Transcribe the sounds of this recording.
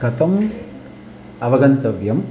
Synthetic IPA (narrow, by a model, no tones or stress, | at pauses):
kɐt̪ɐm | ɐʋɐɡɐnt̪ɐʋjɐm